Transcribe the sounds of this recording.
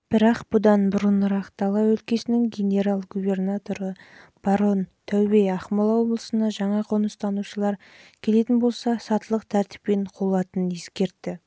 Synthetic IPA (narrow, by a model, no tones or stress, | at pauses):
b̥ɪɾɑqb̥ʊd̪ɑnbʊɾənɾɑqt̪ʰɑlˠɑwɵlkʲe̞sɪnɪŋɡʲe̞nʲe̞ɾalˠɡube̞rnat̪o̞ɾəb̥ɑɾo̞nt̪ʰæwbejɑχmolˠɑwo̞blˠəsənd̪ɑʒɑɴɑqʰonəst̪ɑnuʃəlˠɑɾ | kʲʰe̞le̞t̪ɪnbo̞lˠsɑsɑt̪əlˠəqt̪ʰæɾt̪ɪ̥pːe̞ɴqʰolˠɑt̪ənəne̞skʲe̞ɾt̪ːɪ